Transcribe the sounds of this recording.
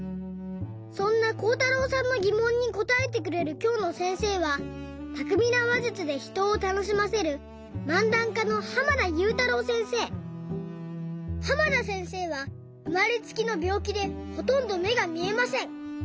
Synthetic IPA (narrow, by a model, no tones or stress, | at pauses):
sõ̞nːako̞ːt̪aɾo̞ːsãnːo̞ɡʲimõɲ̟ːiko̞t̪ae̞t̪e̞k̬ɯ̟ɾe̞ɾɯ̟kʲo̞ːno̞sẽ̞ɰ̃se̞ːβat̪akɯ̟mʲinaβaʑɯt͡sɨd̪e̞çi̥t̪o̞ːt̪ano̞ɕ̬imase̞ɾɯ̟ | mãnd̪ãŋkano̞hamanajɯ̟ːt̪aɾo̞ːsẽ̞ɰ̃se̞ː | hamanasẽ̞ɰ̃se̞ːβ̞a | ɯmaɾʲit͡sɨ̥kʲino̞bʲjo̞ːkʲid̪e̞ho̞t̪õ̞nd̪o̞me̞ɡamʲie̞masẽ̞ɴ